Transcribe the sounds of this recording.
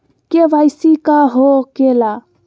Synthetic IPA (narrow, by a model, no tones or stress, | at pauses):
keʋajsikaɦokela